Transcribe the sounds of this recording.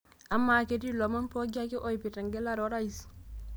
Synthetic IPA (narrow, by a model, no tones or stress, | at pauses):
amːaketilomanpoɡakiʔoipitaŋɡelaɾoɾais